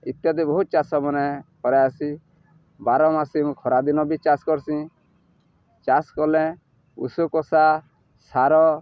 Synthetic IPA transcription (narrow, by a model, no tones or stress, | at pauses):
it̪jad̪ibɔɦut̪̚t͡ʃasɔmɔnɛkɔɾɛasi | baɾɔmasim̃kʰɔɾad̪inɔbit͡ʃaskɔɾsĩ | t͡ʃaskɔlɛ̃ | ṵsukɔsa | saɾɔ